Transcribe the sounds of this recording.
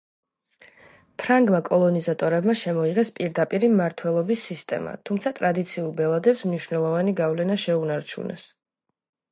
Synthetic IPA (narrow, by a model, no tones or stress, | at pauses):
pʰɾaŋɡmakʼɔlˠɔnizat̪ʼɔɾɛbmaʃɛmɔiʁɛspʼiɾd̪apʼiɾimaɾt̪ʰwɛlˠɔbisːist̪ʼɛ̰ma̰t̪ʰumt̪sʰat̪ʼɾad̪it̪sʰiulˠbɛlˠad̪ɛpsmniʃwvnɛlˠɔvaniɡavlɛnaʃɛunaɾt͡ʃʰṵnʔɛ̰s